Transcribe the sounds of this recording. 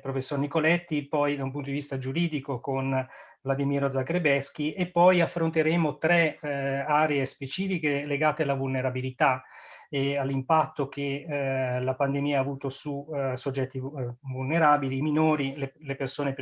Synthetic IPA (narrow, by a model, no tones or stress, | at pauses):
pɾofesːornikolɛt̪ːipɔjd̪aump̬unt̪od̪ivist̪ad͡ʒuɾiːd̪ikokonvlad̪imiɾod̪zakɾebɛsk̟iʔepːɔjafːɾont̪eɾeːmot̪ɾɛaːɾeespet͡ʃiːfikeleɡaːt̪ealːavulneɾabilit̪aealːimpat̪ːok̟e | lapand̪emiːaːvuːt̪osusod͡ʒːɛt̪ːivulneɾaːbiliminoːɾilelepersoːnep